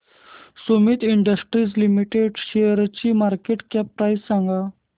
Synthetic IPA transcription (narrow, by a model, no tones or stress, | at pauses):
sumiːt̪iɳɖəsʈɾid͡zlimiʈeɖɕeəɾt͡ɕimaɾkeʈkɛp̚ːɾajssãŋɡa